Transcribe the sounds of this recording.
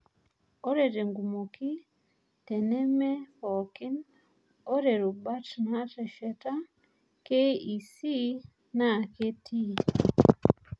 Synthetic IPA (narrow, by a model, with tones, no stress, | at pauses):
o˦ɾe˨ɾe˨ŋɡumoki˦ | te˨ne˦me˦hoki˦n | o˦ɾe˨ɾu˨ba˦tna˦te˨ʃeta | kei˨si˦ | na˨ke˦ti˦